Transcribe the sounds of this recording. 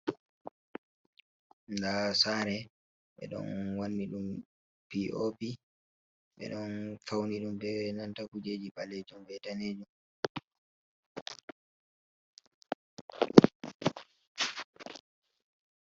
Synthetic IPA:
ndasaːɾɛ | ɓɛ̰ɗɔ̰nwanːiɗum | piʔopi | ɓɛ̰ɗɔnfawniɗumbɛnantakud͡ʒeːd͡ʒiɓaled͡ʒumɓɛtaneːd͡ʒum

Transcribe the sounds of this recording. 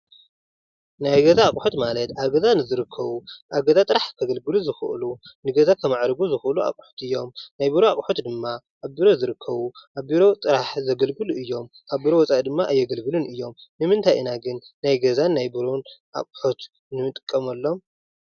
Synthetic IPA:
najɡɐzaːkʼħot̪malɐt̪ʔaβɡɐzanɨzɨɾɨkʰːɐβuʔaβɡɐzat̪ʼɨɾaħkʰɐɡɐlɡɨluzɨxɨʔɨlunɨɡɐzakʰɐmaʕɾɡuzɨxʔɨluʔa̰kʼħo̥t̪ɨjːo̞mnajbiɾoakʼħot̪d̪ɨmːa | ʔːβbiɾo̞zɨɾɨkʰːɐβuʔaβbiɾo̞t̪ʼɨɾaħzɐɡɐlɡɨluʔɨjːo̞m | ʔaβbiɾo̞wɔt͡sʼaʔd̪ɨmːaʔɨjːɛɡɐlɡɨlunɨjːo̞mnɨmɨnt̪ʰajɨnaɡɨnːajɡɐzanːajbɨɾonʔa̰kʼħot̪ | nɨmɨt̪ʼɨ̥kʼːɐmɐlːo̞m

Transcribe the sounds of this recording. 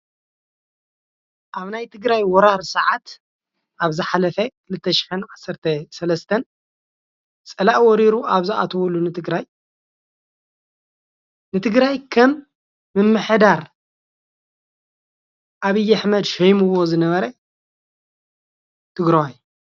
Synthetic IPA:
ʔaβnajt̪ʰɨɡɾajwɔɾaɾsɐʕat̪ | ʔaβzɨħalɐfɐkʰɨlɨt̪ʰːɐʃɪ̥ħɨnʕasːɐɾt̪ʰɐsɐlɐst̪ʰɐn | t͡sʼɐlaʔwɔɾiɾuʔaβzɨʔa̰t̪ʰɐβulːunɨt̪ʰɨɡɾaj | nɨt̪ʰɨɡɾajkʰɐmː | ɨmːɨħd̪aɾ | ʔaβɨjːaħmɐd̪ʃɐjmɨβozɨnɐβɐɾɐ | t̪ʰɨɡɾawaj

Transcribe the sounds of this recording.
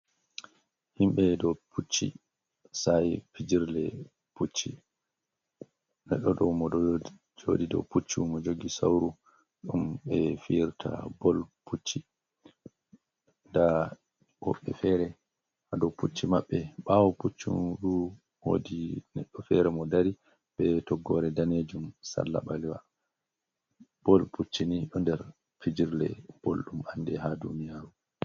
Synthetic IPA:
himɓɛdɔpʰut͡ʃːḭ | sajpid͡ʒiɾlɛ | put͡ʃːi | nɛɗːɔɗɔmɔd | d͡ʒodidɔ̰put͡ʃːimɔd͡ʒoɡisa̰wɾu | ɗumɓɛfiɾtʰa̰bɔlpʰut͡ʃːi | nda | hɔ̰ɓːɛ̰fɛɾɛ | hadɔwput͡ʃːimaɓːɛɓawɔput͡ʃːṵnɾu | wo̰dinɛɗːɔfɛɾɛmɔdaɾi | bɛtɔɡːɔɾɛdaned͡ʒumsa̰lːa̰ɓaliwa̰ | b̥ɔlput͡ʃːiniɗɔndɛɾ | fid͡ʒiɾlɛ̰b̥olɗumanːdɛɦadunijaːɾu

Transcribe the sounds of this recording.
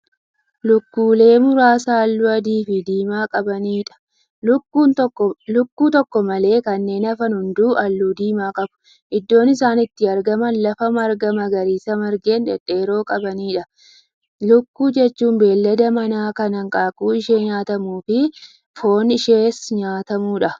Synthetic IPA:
lʊkːuːle̞ːmʊɾaːsɐːlːʊɐd̪iːfɪd̪iːmaːkʼɐbɐniːᶑɐ̥ | ʊkːuːt̪ːlʊkːuːt̪ɔkːɔmɐle̞ːkɐnːe̞ːnɐfɐnhʊnd̪uːʔɐlːuːd̪iːmaːkʼɐbʊ̥ | ʔɪd̪ːo̞ːnɪsaːnɪt̪ːɪɐɾɡɐmɐnlɐfɐmɐɾɡɐmɐɡɐɾiːsɐmɐɾɡe̞ːnᶑɛ̰ᶑeːɾo̞ːkʼɐbɐniːᶑɐ | lʊkːuːd͡ʒɛt͡ʃːuːmbe̞ːlːɐd̪ɐmɐnaːkɐnɐŋkʼaːkuːɪʃe̞ːɲaːt̪ɐmuːfɪ | fo̞ːnɪʃeːsɲaːt̪ɐmuːᶑɐ

